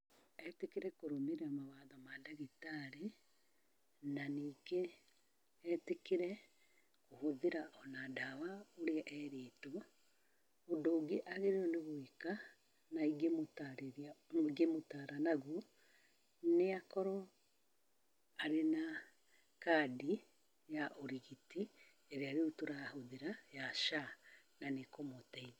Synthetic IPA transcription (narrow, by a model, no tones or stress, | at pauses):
ɛtekeɾɛkoɾomeɾeamawaðɔmadaɣitaɾe | naniːɡe | ɛtekeɾɛ | kohoðeɾaʔɔnadawaoɾeʔɛɾeːto | odoːɡeʔaɣeɾeoneβoika | naiɡemotaɾeɾaiɡemotaːɾanaɣwu | neakɔɾɔ | aɾena | kaːdi | jaʔoɾiɣiti | eɾeaɾeutoɾaahoðeɾajaʃananekomotɛi